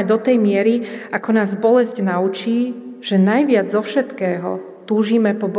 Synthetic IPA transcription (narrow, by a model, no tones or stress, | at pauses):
ɛd̪ɔt̪ɛjmɪɛɾiʔakɔnaːzbɔlɛsɟnaut͡ʃiːʒ̥ɛnajʋɪad͡zzɔfʃɛt̪kɛːɦɔ̰ | t̪uːʒiːmɛpɔb